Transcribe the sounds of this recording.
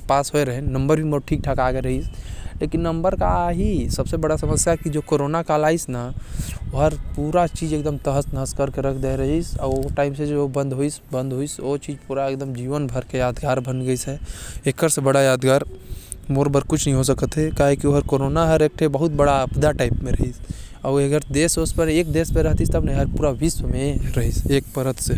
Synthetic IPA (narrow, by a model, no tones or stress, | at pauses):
paːsɦoeɾəɦɛ̃nə̃mbəɾbʱimoɾʈʰiːk̚ʈʰakaɡeɾəɦislekinːəmbəɾkaɦisəbsebəɽasəməsjaɦkid͡ʒokoɾonakalaːisnaoɦəɾpuːɾat͡ʃid͡ʒeːkd̪əmt̪əɦəsnəɦəskəɾkeɾəkʰd̪eɾəɦisɔʈaːɪmsed͡ʒobə̃nd̪ʱɦoisbə̃nd̪ɦoisot͡ʃid͡ʒpuːɾaekd̪əmd͡ʒiːʋənbʱəɾkejaːd̪ɡaːɾbʱənɡəisɦɛekːəɾsebəɽajaːd̪ɡaːɾmoɾbəɾkut͡ʃʰnəɦĩɦos̬əkət̪ɦɛkaːɦekioɦəɾkoɾonaɦəɾek̚ʈʰebəɦut̪̚bəɽaəbd̪aʈaɪpmẽɾəɦisaʊəɡəɾd̪eːsospəɾeːk̚d̪eːspeɾəɦt̪ist̪əbnəɦĩɦəɾpuːɾaʋisəmeɾəɦisek̚pəɾət̪se